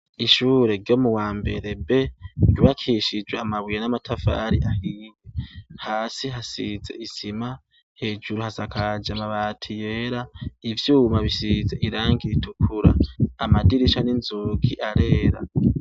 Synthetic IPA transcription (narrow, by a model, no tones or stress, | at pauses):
iʃuːɾe̞ɾɟo̞muwaːmbe̞̰ɾe̞be̞ɟuβakʰiʃid͡ʒweamaβujenamatʰafa̰ɾiʔahiːɡehaːsiɦasize̞̰ʔisima | he̞ːd͡ʒuɾuhasakʰad͡ʒamaβaːtʰije̞ːɾaivjuːmaβisize̞ʔiɾaːŋɡiɾitukʰuɾa̰ːmadiɾiʃaninzuːɡiʔaɾe̞ːɾa̰